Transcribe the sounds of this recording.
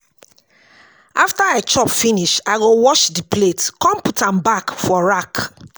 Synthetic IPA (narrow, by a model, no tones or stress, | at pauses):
aftaaɪt͡ʃɔpfiniʃaɪɡowɔʃdipletkɔ̃mputãmbakfɔɹak